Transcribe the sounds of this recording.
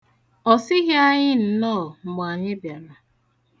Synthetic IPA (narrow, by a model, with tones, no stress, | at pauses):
ɔ˨sɪ˦ɣja˦ɲɪ˦n̩˨nɔː˦˨mɔ˨a˨ɲɪ˦bja˨na˨